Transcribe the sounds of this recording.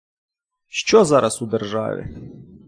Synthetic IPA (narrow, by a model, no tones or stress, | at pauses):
ʃt͡ʃɔzaɾʔasud̪ɛrʐa̰ʋʲɛ̰